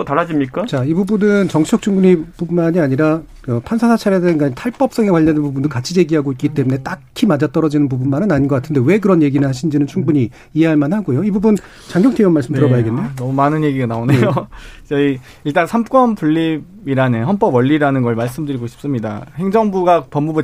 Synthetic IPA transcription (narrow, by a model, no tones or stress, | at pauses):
otaɾad͡ʑimɲik͈at͡ɕaibubunɯnt͡ɕʌŋt͡ɕʰʌk̚t͡ɕ͈ʰuŋbuɲipubmaɲiaɲiɾa | ʌpʰansʰasʰat͡ɕʰaɾedaɯnɡaɲitʰaɭp͈ʌp̚s͈ʌŋe̞kwaʎjːʌndenpubundokat͡ɕʰid͡ʑe̞ɡiɦaɡoit̚k͈it͈e̞mune̞t͈akkʰimad͡ʑat͈ʌɾʌd͡ʑinɯnpubunmanɯnaɲinɡʌk͈atʰɯnde̞we̞k̬ɯɾʌnje̞ɡinɯɭhaɕʰind͡ʑinɯnt͡ɕʰuŋbuɲiː | je̞ɦaɭmanhaɡojoibubun | t͡ɕaŋɡjʌŋtʰeiʌmaɭs͈ɯmtɯɾʌbajiɡenːeonʌmumanɯnje̞ɡiɡanaoneot͡ɕʌi | iɭt͈ansʰamk͈wʌmpuɭːibiɾaneɦʌnp͈ʌbwʌʎːiɾanɯnɡʌɭmaɭs͈ɯmdɯɾiɡoɕʰi̥p̚s͈ɯmɲidahe̞ŋd͡ʑʌŋbuɡapʌmːubu